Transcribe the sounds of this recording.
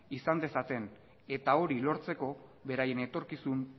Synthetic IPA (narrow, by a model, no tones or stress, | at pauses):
isand̪e̞sat̪e̞n | e̞t̪ao̞ɾilo̞ɾt͡se̞ko̞βe̞ɾaje̞ne̞t̪o̞ɾkisun